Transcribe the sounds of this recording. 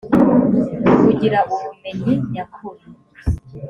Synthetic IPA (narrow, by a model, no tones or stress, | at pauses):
kuɟiɾaʔumumeɲiɲakʰuɾi